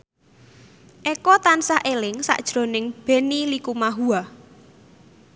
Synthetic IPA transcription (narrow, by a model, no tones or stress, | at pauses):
ʔekɔt̪ansahʔelɪŋsa̰ʔd̥ʒ̥ɾo̤nɪŋb̥e̤nilikumaɦua